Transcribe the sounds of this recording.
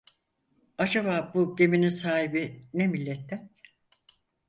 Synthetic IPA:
ad͡ʒaβaːbuɟe̞mininsaːhibinemilʲːɛt̪ʰːæn

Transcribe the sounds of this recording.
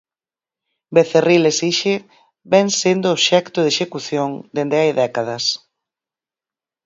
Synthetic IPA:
beθerilesiʃe | bɛŋsend̪oːβʃɛkt̪ʊðeʃekuθjoŋd̪end̪eajðɛkaðɐs

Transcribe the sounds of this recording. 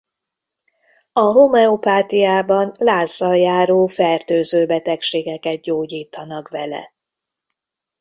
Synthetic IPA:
ɒɦomɛopaːt̪ijaːbɒnlaːzːɒjaːɾoːfɛrt̪øːzøːbɛt̪ɛkʃeːɡɛkɛt̪̚ɟoːɟiːt̪ɒnɒkʋɛlɛ̰

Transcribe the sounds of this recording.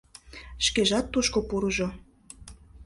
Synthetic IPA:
ʃkeʒɑt̪ːuʃkopuɾɤʒo

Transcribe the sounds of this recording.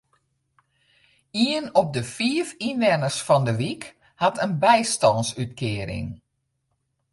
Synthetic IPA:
iənɔp̚dəfiəfinʋɛnəsfɔndəʋik | hatʰənbɛjstɔnsytkʰɪəɾɪ̰ŋ

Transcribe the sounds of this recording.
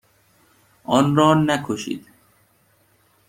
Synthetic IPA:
ɔːnɾɔːnækʰoʃḭːd̪

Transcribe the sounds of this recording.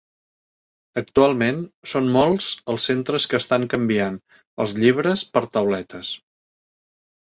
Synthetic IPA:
ək̚t̪ualˠmensonmolˠz̥əlˠsːent̪ɾəskəːst̪aŋkəmbian | ə̰lˠzʎiβ̞ɾəspəɾt̪əwlɛt̪əs

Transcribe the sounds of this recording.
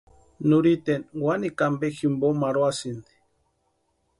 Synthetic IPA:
nuɾit̪enwanikambeximbomaɾoasind̪i̥

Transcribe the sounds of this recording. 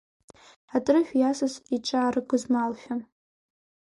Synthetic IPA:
atʼrɨħʷᶣjasɨsiʈ͡ʂʼaːrɨɡʷʊzmalʃʲᶣa

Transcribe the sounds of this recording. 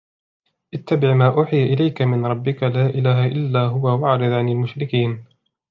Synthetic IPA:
ʔɪt̪ːabɪʕmaːʔʊħɪjʔɪlajkamɪnɾˤɑbːɪkalaːʔɪlaːɦaʔɪlːaːɦʊwawaʕɾɪðˤʕanɪlmʊʃɾɪkiːn

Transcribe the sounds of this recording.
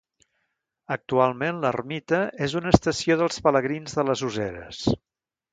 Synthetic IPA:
ək̚t̪ualˠmenlərmit̪əezunəːst̪əsioðəlˠspələɣɾinzðələzuzɛɾə̰s

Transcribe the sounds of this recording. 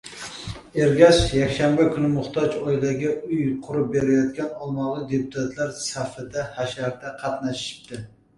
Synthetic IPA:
eɾɡʲɛʃjɛkʲʃæmbɛkʲʰynɪmʊχt̪ʰɑd͡ʒɔjdaɡʲɛyjqʰʊɾup̚beɾɛjɑt̪kʲɛnɑlˠmɑlˠɨd̪eput̪ʰæt̪ʰlæɾsæfɪd̪ɛhæʃæɾd̪ɛqʰɑt̪næʃʃi̥p̚t̪ʰɪ

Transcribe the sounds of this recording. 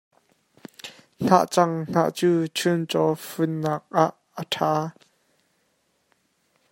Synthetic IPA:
n̥a̰ʔt͡sɐŋn̥a̰ːʔt͡suːt͡ʃʰʊnt͡sɔfʊnːaːk̚ʔaʔ | əʈʰaː

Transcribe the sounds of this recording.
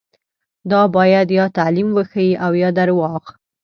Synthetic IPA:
d̪ɑbɑjad̪jɑt̪alimwəxawiʔawjɑd̪aɾwɑq

